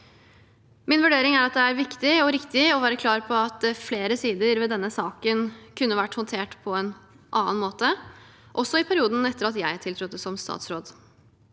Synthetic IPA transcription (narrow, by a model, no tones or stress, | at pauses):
mɪnʋʉɖeːɾɪŋæɾɑt̪̚d̪ɛæɾʋɪkt̪ɪɔɾɪkt̪ɪɔʋæːɾəkʰlɑːɾpʰɔɑt̪̚fleːɾəsiːd̪əɾʋɛːd̪ɛnːəsɑːkənkʰʉnːəʋæʈːhʊnt̪ʰeːʈpʰɔɛn | ʔɑːənmoːt̪əʔɔsːɔɪpʰæɾɪuːd̪n̩ɛt̪ːəɾɑt̪jæɪt̪ʰɪlt̪ɾʊt̪ːəsɔmst̪ɑ̰ːt̪sɾoːd̪